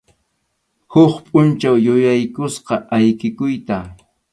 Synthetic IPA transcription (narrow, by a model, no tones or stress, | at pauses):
hʊχpʼʊnt͡ʃawjʊjajkʊsqɑʔajkɪkʊjt̪a